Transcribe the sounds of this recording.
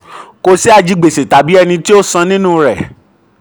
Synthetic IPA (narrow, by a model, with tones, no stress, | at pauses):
ko˧si˦a˧d͡ʒi˨˧ɡ͡be˨se˨ta˨bi˦ɛ˧nĩ˧ti˦o˦sã˧nĩ˦nũ˦˨ɾɛ˨